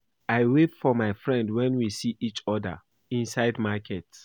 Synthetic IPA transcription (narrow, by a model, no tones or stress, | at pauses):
aɪwetfɔmaɪfɹɛ̃ndwɛ̃nwisiʔit͡ʃɔdə̰ | ĩnsaɪdmakʰɛts